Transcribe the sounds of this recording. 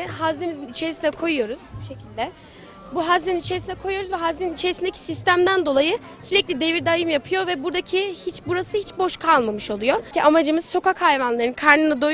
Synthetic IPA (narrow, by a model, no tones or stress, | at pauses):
hazlʲemizinit͡ʃʰe̞ɾisinɛkʰo̞jujo̞ɾuz̥buʃe̞cʰilʲd̪ɛ | buɦazlʲeninit͡ʃʰe̞ɾisinɛkʰo̞jujo̞ɾuzvɛɦazleninit͡ʃʰe̞ɾisind̪ecʰi̥sist̪æmd̪ænd̪o̞lˠajɯ | syɾɛclʲid̪e̞viɾd̪ajɯmjapʰɯjo̞vɛbuɾd̪acʰihit͡ʃbuɾasɯhit͡ʃbo̞ʃkʰalˠmamɯʃo̞lˠujo̞iʔamad͡ʒɯmɯz̥so̞kakhajvanlˠaɾɯnkʰaɾnɯnɯd̪o